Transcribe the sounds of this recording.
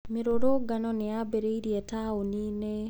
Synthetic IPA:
mɪɾoɾoɡanɔnɪabeɾeiɾijetaonine

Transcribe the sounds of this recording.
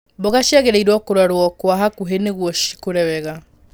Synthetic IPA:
boɣaʃjaɣeɾeiɾwɔkoɾwaɾwɔkwaɦakuɦeneɣwɔʃi̥koɾɛwɛɣa

